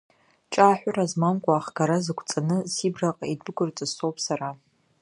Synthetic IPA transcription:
t͡ʃʼaːħᶣʷʊrazmamkʷʼaːχɡ̥aɾazɨkʷʰt͡sʼanɨsibraqʼaidɨɡʷʼʊrt͡sʼɨsowpʼʰsaɾa

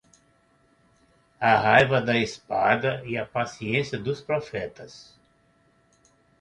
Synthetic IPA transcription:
ɐɦajvɐd̪ɐispad̪ɐiɐpasiẽsjɐd̪ʊspɾofɛt̪ɐs

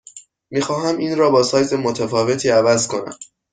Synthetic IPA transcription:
miːxɒːɦæmiːnɾɒːbɒːsɒːjze̞mo̞t̪ʰæfɒːve̞t̪ʰiːævæzkʰo̞næ̰m

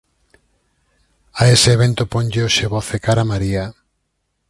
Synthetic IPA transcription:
aesɪeβent̪ʊpoɲʎeoʃeβoθekaɾamaɾia

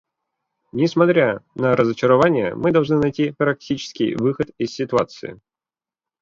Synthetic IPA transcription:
nʲɪsmɐt̪ɾʲanɐɾəzɐt͡ɕɪɾavanʲɪjə̰mɨd̪ɐlˠʐnɨnajtʲipɾɐk̚tʲit͡ʃɪ̥skʲḭjvɨxət̪isːʲɪt̪ʊat̪sɨ̰jɪ̰

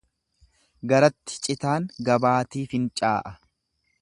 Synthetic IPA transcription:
ɡɐɾɐt̪ːɪ̥t͡ʃʼɪt̪aːŋɡɐbaːt̪iːfɪnt͡ʃʼaːʔɐ

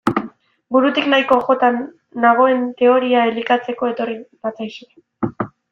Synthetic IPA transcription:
buɾut̪iknajko̞ʝo̞t̪anː | aɣ̞o̞e̞nt̪e̞o̞ɾiae̞likat͡se̞ko̞e̞t̪o̞ribat͡sajse

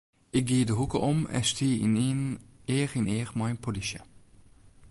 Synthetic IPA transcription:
ɪk̚ɡiːdəɦukəʔɔmɛ̰stʰiːnneːrɪneːrmajnpʰolisjə

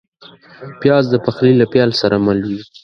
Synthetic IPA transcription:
pjɑzd̪əpaxlilapjɑlsaɾamalwi

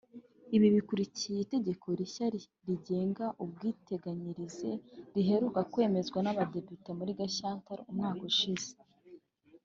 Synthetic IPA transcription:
iβiβikuɾicijeite̞ɟe̞kʰo̞ɾiça | ɾiɟe̞ːŋɡaʔub̚ɡiːte̞ɡaɲiɾize̞ɾiɦe̞ɾukakwe̞ːme̞zɡwanaβade̞pitemuɾiɡaʃaːntaɾumŋaːkuʃize̥

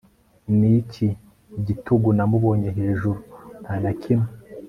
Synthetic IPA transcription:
nici | ɟituɡunamuβo̞ːɲeɦe̞ːʒuɾunanacʰime

